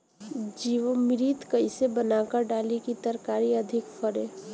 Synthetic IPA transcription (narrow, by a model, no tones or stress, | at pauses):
d͡ʒiːʋəmɪɾiːt̪kəɪsebənakəɾɖaːlikit̪əɾkaːɾiɐd̪ʱɪkfʰəɾe